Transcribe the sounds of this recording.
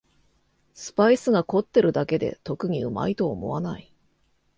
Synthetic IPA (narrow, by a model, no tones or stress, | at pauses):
sɨ̥paisɨɡako̞t̪ːe̞ɾɯ̟d̪ake̞d̪e̞̰t̪o̞kɯ̟ɲ̟iɯ̟ma̰it̪o̞ːmo̞̰βanai